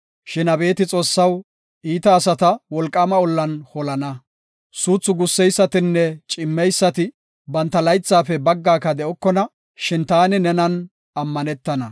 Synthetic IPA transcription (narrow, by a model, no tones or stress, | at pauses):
ʃɪnɐbe̞ːt̪ɪt͡sʼo̞ːsːɐw | ʔiːt̪ɐːsɐt̪ɐwɔlkʼːɐmɐɔlːɐnhɔlɐnɐ | suːt͡sːʊɡʊsːɛjsːɐt̪ɪnːɛt͡ʃʼɪmːɛjsːɐt̪ɪ | bɐnt̪ːɐlɐjt͡sːaːfɛbɐɡːaːkɐd̪ɛʔɔkːɔnɐ | ʃɪnt̪aːnɪnɛnɐn | ɐmːɐnɛt̪ːɐnɐ